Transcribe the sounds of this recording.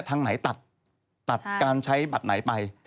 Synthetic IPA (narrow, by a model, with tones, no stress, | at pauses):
t̪ʰaː˧ŋna˩˦jt̪a˨˩t̪̚ː | a˨˩t̪̚kaː˧nt͡ɕʰa˦˥jba˨˩t̪̚na˩˦jpa˧j